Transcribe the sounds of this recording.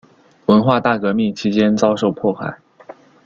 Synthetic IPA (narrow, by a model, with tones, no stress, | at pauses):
wə˧˥nxwa˥˧t̪a˥˩kɤ˧˥mi˥˩ŋt͡ɕʰi˧˥t͡ɕjɛ˥nt͡sɑ˥ʊʂo˥˧ʊpʰwɔ˥˩xa̰˥˩ɪ